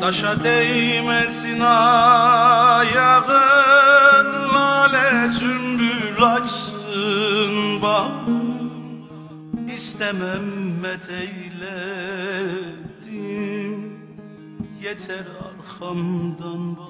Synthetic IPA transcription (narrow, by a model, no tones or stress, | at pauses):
d̪̥ɑʃad̪ɛjmɛsinɑ | jɑʁɯ | nlaːlɛzymbylat͡ʃsɯnbɑ | ist̪ʰɛmæmːɛt̪ʰɛjlɛ | d̪̥i | jɛt̪ʰæɾɑ̰ɾxɑmd̪ɑnba